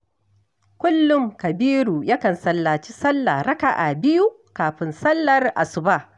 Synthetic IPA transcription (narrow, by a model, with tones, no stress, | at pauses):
kʷʊ˦lːʊ˦˨ŋkɐ˨biː˦ɾuː˨ja˦kɐ˨nsɐ˦lːaː˨t͡ʃi˦sɐ˦lːaː˨ɾɐ˦ka̰˨ʔa˨bɪ˦ju˦ | kaː˨ɸɪ˨nsɐ˦lːɐ˨rʔa̰˨sʊ˨ba˦˨